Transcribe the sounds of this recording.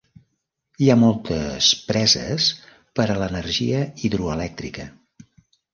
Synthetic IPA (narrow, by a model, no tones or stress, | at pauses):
iamɔlˠt̪əspɾɛzə̰s | pəɾələnəɾʒiəiðɾuəlɛk̚t̪ɾikə